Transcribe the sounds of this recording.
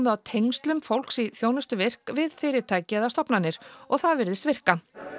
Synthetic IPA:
mɪðawt̪ʰejŋst̪lʏmfowl̥ksiθjownʏst̪ʏvɪr̥kvɪðfɪːɾɪt̪ʰaːjcɪðast̪ɔpnanːɪɾ̥ɔɣθaðvɪɾðɪst̪vɪr̥ka

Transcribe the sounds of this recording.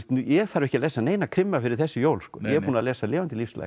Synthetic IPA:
t̪njɛɣθaɾɪvɛhcalɛːsaneːjnakʰɾɪmːafɪɾɪɾ̥θɛsːɪjoːwlskkɔːjɛpuːnalɛːsalɛːvant̪ɪlifsla̰

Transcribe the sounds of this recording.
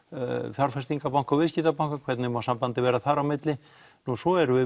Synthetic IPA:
fjaɾfɛst̪iŋkapawŋ̥kavɪsciːt̪apawŋ̥kakʰvɛt̪nɪmasampant̪ɪvɛːɾaθaɾawmɪt̪lɪ | nusɔɛɾʏɪ

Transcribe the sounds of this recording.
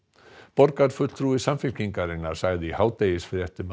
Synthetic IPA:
pɔɾkaɾ̥fʏt̪t̪ʰɾuːɪsamfɪl̥ciŋkaɾɪnːaɾ̥saːɣðɪihaːwt̪ejɪsfɾjɛht̪ɪm

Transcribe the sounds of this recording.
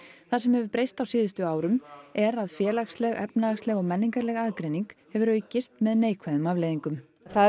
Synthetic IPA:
θaðsɛmhɛvʏɾpɾejst̪awsiːðʏst̪ʏaːwɾʏmɛɾaðfjɛːlaxslɛɣɛ̰pnalaxslɛɣɔɣmɛnːiŋkaɾlɛɣaːðkɾejniŋkhɛvʏɾœːɥcɪst̪mɛðneːjkʰvaðʏmavleːjðiŋkʏm | θa

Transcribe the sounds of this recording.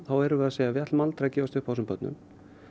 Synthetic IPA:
θawɛɾʏvɪðaðseːjavjɛt̪lmalt̪ɾacɛːvast̪ʏhpawsʏmpœt̪nʏ̰m

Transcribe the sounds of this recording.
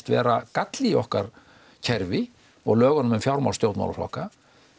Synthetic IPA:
t̪vɛ̰ːɾakat̪liɔhkaɾ̥ | cʰɛɾvɪ | ɔ̰ɣlœːɣanʏmʏmfjawɾmaw̪st̪jowt̪ma̰la̰flɔ̰hka

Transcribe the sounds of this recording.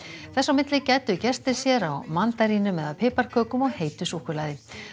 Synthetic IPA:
θɛsːawmɪt̪lɪcɛːjt̪ʏcɛst̪ɪ̥sjɛɾawmant̪aɾiːnʏmɛðapʰɪːpaɾ̥kʰœːkʏmɔɣheːjt̪ʏsuhkʏɾlaːjðɪ

